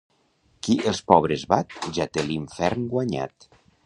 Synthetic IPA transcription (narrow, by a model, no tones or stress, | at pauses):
kiʔelˠspɔβɾezβat̪ʒat̪eliɱfɛɾnɡwaɲa̰t̪